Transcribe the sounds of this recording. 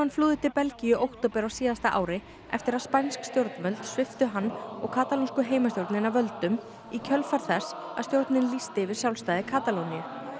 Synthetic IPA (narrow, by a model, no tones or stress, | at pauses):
anːfluːðɪt̪ʰɪlpɛlcijʏʔowht̪owpɛɾawsiːðast̪aʔa̰ːwɾɪ | ɛ̰ft̪ɪɾaðspajnskst̪jowɾt̪nmœlt̪svɪft̪ʏɦanːɔɣkʰaːt̪alunskʏɦeːjmast̪jowɾt̪nɪnavœlt̪ʏm | icʰœlfaɾ̥θɛsːa̰ðst̪jowɾt̪nɪnlist̪ɪvɪðsjawlst̪aːjðɪkʰaːt̪alownjʏ